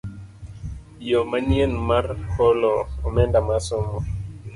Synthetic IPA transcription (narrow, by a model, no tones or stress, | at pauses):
jomanjenmarhɔlɔɔmɛndamasʊmɔ